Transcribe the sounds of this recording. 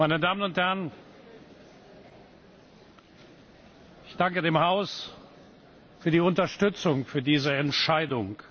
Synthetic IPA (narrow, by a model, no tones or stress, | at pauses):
maɪnədaːmənʊnthɛɐn | ʔɪçd̥aŋkədeːmhaʊs | fyːɐdiːʊntɐʃtʏt͡sʊŋfyːɐdiːzəɛntʃaɪdʊŋ